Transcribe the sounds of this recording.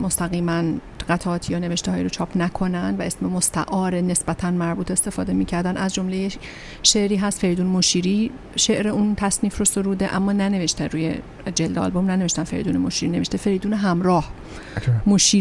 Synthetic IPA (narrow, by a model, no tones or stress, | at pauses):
most̪æɣiːmæn | ɢ̥æt̪ʰæɒːt̪ʰijɒːne̞veʃt̪ehɒːjiɾot͡ʃʰɒːpʰnækʰo̞nænd̪væʔe̞smemost̪ʰæ̰ʔɒːɾene̞sbæt̪ʰænmæɾbuːt̪ʰest̪e̞fɒːd̪e̞miːcʰæɾd̪ænʔæzd͡ʒo̞mleje | ʃe̞ʔɾiːɦæst̪feɾiːd̪uːnmoʃiːɾiː | ʃe̞ʔɾe̞unt̪ʰæsniːfrosoɾuːd̪eʔæmːɒːnæne̞veʃt̪eɾuːjḛ | d͡ʒeld̪eɒ̰ːlbo̞mnæneve̞ʃt̪ænfe̞ɾḭd̪uːnemoʃiːɾineveʃt̪efe̞ɾijd̪uːneɦæmɾɒːh | moʃiː